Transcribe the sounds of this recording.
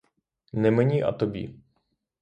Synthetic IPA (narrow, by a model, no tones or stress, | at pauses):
nɛmɛɲiʔa̰t̪obḭ